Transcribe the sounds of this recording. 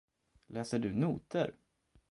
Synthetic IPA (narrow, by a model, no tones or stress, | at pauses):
lʔɛːsəɖɵnuːt̪əɾ